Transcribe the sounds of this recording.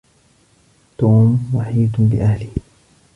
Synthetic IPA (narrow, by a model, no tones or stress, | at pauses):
t̪uːmwaħiːd̪bɪ̰ʔahlɪh